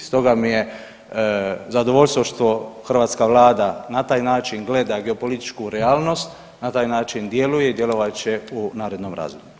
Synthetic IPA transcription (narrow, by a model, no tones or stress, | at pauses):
st̪o̞ɡamije̞ | zad̪oʋo̞lʲst̪ʋoʃt̪o̞xr̩ʋaːt̪skaʋlaːd̪anat̪aːjnaːt͡ʃinɡle̞d̪aɡeopo̞lit̪i̥t͡ʃkuɾeaːlˠno̞st̪ | nat̪aːjnaːt͡ʃind̪je̞luje̞id̪je̞lo̞ʋat͡ɕeunaːɾe̞d̪nomɾa̰ːzomu